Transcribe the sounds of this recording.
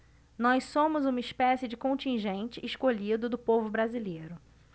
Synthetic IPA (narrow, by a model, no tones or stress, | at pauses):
nɔjssõmʊzũmɐɪspɛsɪd͡ʒɪkõnt͡ʃĩʒẽnt͡ʃɪːskoʎid̪ʊd̪ʊpovʊbɾazilejɾʊ